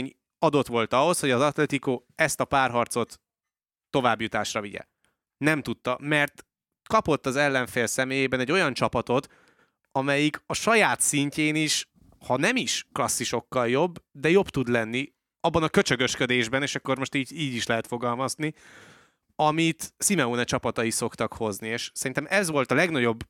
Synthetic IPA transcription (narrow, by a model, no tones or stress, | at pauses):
ɲ | ɒd̪o̞t̪ʋo̞lt̪ɒɦo̞sho̞ɟɒzɒt̪lɛt̪ikoɛst̪ɒpaːrɦɒrt̪so̞t̪ː | o̞vaːbjut̪aːʃrɒviɟɛ̰ | nɛmt̪ut̪ːɒmɛrt̪ | kɒpo̞t̪ːɒzɛlːɛɱfeːlsɛmeːjeːbɛnɛɟːo̞jɒnt͡ʃɒpɒt̪o̞t̪ | ɒmɛjikɒʃɒjaːt̪siɲceːniʃ | hɒnɛmiʃklɒsːiʃo̞kːɒljo̞bːd̪ɛjo̞bt̪ud̪lɛnːi | ɒbːɒnɒkø̞t͡ʃø̞ɡø̞ʃkø̞d̪eːʒbɛneːʃɒkːo̞rmo̞ʃt̪iːɟiːɟiʃlɛɦɛt̪fo̞ɡɒlmɒzni | ɒmit̪simɛuːnɛt͡ʃɒpɒt̪ɒjiso̞kt̪ɒkho̞znieːʃsɛɾint̪ɛmʔɛzʋo̞lt̪ɒlɛɡnɒɟo̞bː